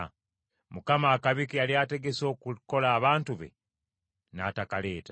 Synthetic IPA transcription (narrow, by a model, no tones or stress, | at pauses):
mukamaːkaβikialiate̞ɡe̞so̞ːkuko̞laːβaːntuβe̞̰ | na̰takale̞ːta